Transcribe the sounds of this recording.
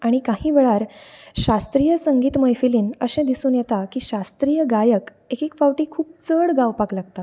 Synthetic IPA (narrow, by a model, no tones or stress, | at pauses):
aɽ̃ikahĩːʋeɭaɾɕast̪ɾiːjəsəŋɡiːt̪məjfiliːnəɕẽd̪isuːnjɛt̪akiːɕast̪ɾiːjəɡajək | ekikfawʈiːkʰuːp̚t͡səɽɡawpaklaɡt̪a